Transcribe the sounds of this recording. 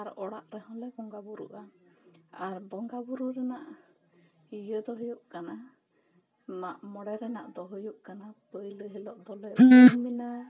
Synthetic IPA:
aɾɔɽaʔɾɛhɔ̃lɛbɔŋɡabuɾṵʔa | aɾbɔŋɡabuɾuɾɛnaʔ | ijəd̪ɔɦujuʔkana | maʔmɔɽɛɾɛnaʔd̪ɔɦujuʔkanapəjləɦilɔʔd̪ɔlɛmina

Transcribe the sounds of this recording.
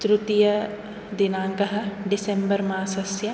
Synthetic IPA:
t̪ɾut̪ijɐ | d̪inaːŋɡɐɦɐ̆ɖisembɐɾmaːsɐsjɐ

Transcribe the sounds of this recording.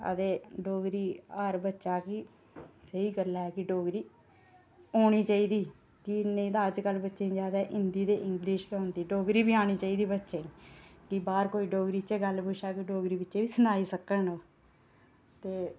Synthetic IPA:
ə̰d̪eːɖoːɡɾiːəɾbətːʃaːkɪ | səiːɡəlɛːkɪɖoːɡɾiː | oːɽ̃iːt͡ʃaːiːd̪iː | kɪnẽːd̪aːəd͡ʒkəlbətːʃẽːd͡ʒaːd̪aːʔɪnd̪iːd̪eːʔɪŋɡlɪʃkɛʊ̃nd̪iːɖoːɡɾiːbiːaːɽ̃iːt͡ʃaːiːd̪iːbətːʃeːkɪbaːɾkoːiːɖoːɡɾiːt͡ʃeːɡəlpʊʃaːkiɖoːɡɾiːbɪtːʃeːʋiːsʊnaːiːsəkːənoː | t̪eː

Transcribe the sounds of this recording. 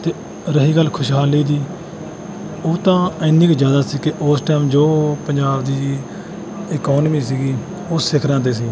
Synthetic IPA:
t̪eː | ɾəɦiːɡəlkʰʊʃɦaːliːd̪iː | oːt̪ãːɪːnĩːkd͡ʒjaːd̪aːsiːkɪʔoːsʈɛːmd͡ʒoːpəɲd͡ʒaːbd̪iː | ɪkɔːnmiːsiːɡiː | ʊɪkʰɾãːd̪eːsiː

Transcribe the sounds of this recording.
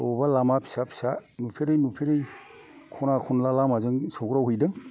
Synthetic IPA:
ɔbalamapʰi̥sapʰi̥sanupʰeɾɯjnupʰeɾɯj | kʰɔnakʰɔnlalamazɯŋsɔɡɾawhɯjdɯŋ

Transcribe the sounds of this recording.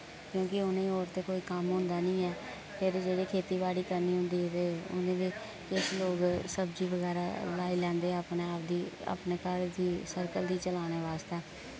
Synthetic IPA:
kjõːkɪʊnẽːoːɾt̪eːkoːiːkəmɦʊ̃nd̪aːnĩːɛː | pʰɪɾd͡ʒeːɽiːkʰeːt̪iːbaːɽiːkəɾniːɦʊ̃nd̪iːt̪eːʊ̰nẽːʋiː | kɪʃloːɡsəbd͡ʒiːʋəɡɛːɾa̰ːlaːiːlɛ̃ːnd̪eːəpneːaːp̚d̪iːa̰pneːkəɾd̪iːsəɾkəld̪iːt͡ʃəlaːneːʋaːst̪eː

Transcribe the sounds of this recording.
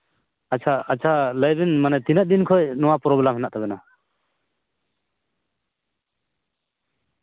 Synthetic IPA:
at͡ʃʰaːt͡ʃʰaləjbinmanɛt̪inat̚d̪inkʰɔjnɔwapɔɾɔbɛlamɦɛnaʔt̪ʰaβɛna

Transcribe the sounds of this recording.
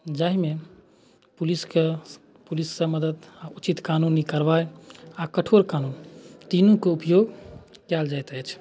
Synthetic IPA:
d͡ʒaɦme | puliske | pulisːəməd̪əd̪aut͡ʃit̪kanunikəɾbajakəʈʰoɾkanunt̪inukeupjoɡkɛld͡ʒajt̪əjt͡ʃʰ

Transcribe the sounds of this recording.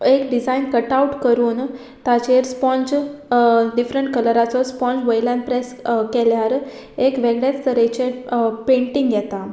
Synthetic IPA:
ekɖid͡zainkəʈauʈkəɾuːn | t̪at͡ɕeɾspɔ̃nd͡ʑ | ɖifɾəɳʈkəlɾat͡sɔspɔ̃nd͡zʋəjlãnpɾeskɛljaɾ | ekʋeɡɽat͡st̪ʰəɾet͡ɕepẽɳʈiŋɡjɛt̪a

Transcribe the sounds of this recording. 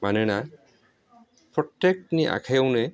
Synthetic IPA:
manɛna | pɹɔtːek̚tniʔa̰kʰajwne

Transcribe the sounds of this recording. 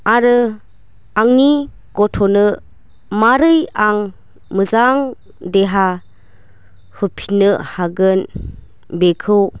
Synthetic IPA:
aɾɯ | aŋni | ɡɔtʰɔnɯ | maɾɯjaŋ | mɯzaŋ | deɦa | hɯpʰinɯhaɡɯn | bekʰɯw

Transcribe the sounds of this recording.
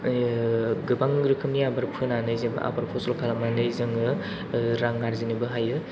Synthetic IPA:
ɡɯbaŋɾɯkʰɯmniabaɾpʰɯnanɯjzɯbɯ̰ʔa̰baɾpʰɔsɔlkʰalamanɯjzɯŋɯ | ɾaŋːaɾzinibɯɦajɯ

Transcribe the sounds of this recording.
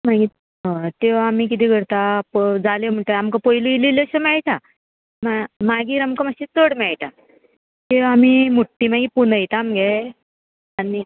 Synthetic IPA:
maɡi | ɦə̃t̪eʋaamik̬it̪iːɡʱəɾt̪apd͡zalem̤əʈ̪eamkapojluililəɕəmɛɭʈ̪a | mamaɡiːɾamkəmaɕit͡s̪oɽmɛɭt̪a | t̪eʋaamimuʈːimaɡiːpunəjt̪aːmɡɛ | ani

